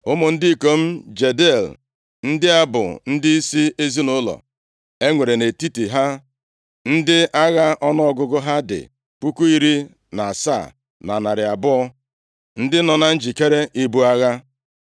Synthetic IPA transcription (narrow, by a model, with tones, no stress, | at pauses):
ʊ˦mʊ˨n̩˦di˦˨ko˦m̩˦d͡ʒe˨de˦˨l | n̩˦dɪ˦a˦bʊ̰˨n̩˦dɪ˦i˦si˦ʔe˦zi˦nʊ˦lɔ̰˨ | e˦ŋʷe˨ɾe˨ne˨ti˦ti˨ɦa˦ | n̩˦dɪ˦ʔa˦ɣa˦ʔɔ˦nɔ˦ɔ˨ɡʊ˦ɡʊ˦ɦa˦dɪ̰˨ | k͡pu˦ku˦i˦ɾi˦ | na˨a˨sa̰ː˦˨ | na˨na˨ɾɪ˨a˨bʊ˦ɔ˦ | n̩˦dɪ˦nɔ˨na˦n̩˦d͡ʒi˨ke˦ɾe˦ʔi˦bu˦a˦ɣa˦